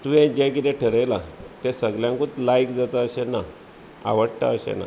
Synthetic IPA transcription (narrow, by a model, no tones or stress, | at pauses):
t̪uɛ̃d͡ʑɛ̃kit̪eʈʰəɾəjlat̪esəɡljãŋkut̪lajkd͡zat̪aəɕena | a̰ʋəɽʈa̰əɕɛ̰na̰